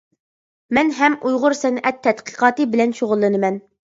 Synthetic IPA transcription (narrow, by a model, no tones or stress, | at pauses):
mɛnɦɛmujʁʊɾsɛnʔɛt̪ʰːɛt̪qʰə̥qʰɑːt̪ɨbɪlɛnʃoʁʊlˠːɨnɨmɛn